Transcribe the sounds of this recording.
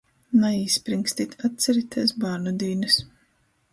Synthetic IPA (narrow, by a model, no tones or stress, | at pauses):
naiːspɾiŋkst̪it̪ʲʰat̪̚t̪sɛɾit̪ʰɛsbaːɾnud̪iːnɨs